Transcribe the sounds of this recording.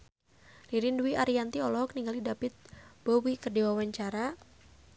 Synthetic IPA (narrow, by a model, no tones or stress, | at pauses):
liɾinduwiʔaɾiant̪iɔlɔkniŋɡalidapɪt̪̚b̥owikərdiwawaɲt͡ʃaɾa